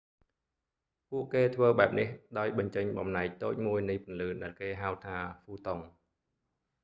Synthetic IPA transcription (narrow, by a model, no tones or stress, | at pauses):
puəʔkeːt̪ʰʋəːɓaɛp̚nihɗaɔjɓɑɲt͡ɕəɲɓɑmnaɛk̚t̪oːc̚muəjnɨjpŭənlɨːɗaɛlkeːɦawt̪ʰaːfuːt̪oŋ